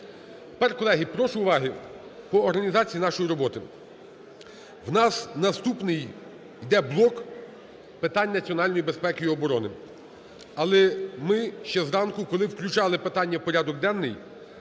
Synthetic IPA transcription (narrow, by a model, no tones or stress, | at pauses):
t̪pɛrkɔlˠɛɦipɾɔʃʊʊʋɑɦɪpɔːɾɦɐnʲizɑt͡sʲijinɑʃɔjiɾɔbɔt̪ɪ | wnɑsnɐst̪upnɪj | id̪ɛblˠɔk | pɪt̪ɑnʲːnɐt͡sʲiɔnɑlʲnɔjibe̞spɛkɪjiɔbɔɾɔnɪ | ɐlˠɛmɪʃt͡ʃɛzɾɑnkʊkɔlˠɪwklʲʊt͡ʃɑlˠɪpɪt̪ɑnʲːɐpɔɾʲad̪ɔɡ̚d̪ɛnːɪj